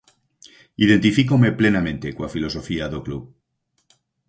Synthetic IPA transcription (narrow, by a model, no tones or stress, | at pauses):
iðe̞nt̪ifikome̞ple̞namẽnt̪e̞kwafilo̞so̞fiaðokluβ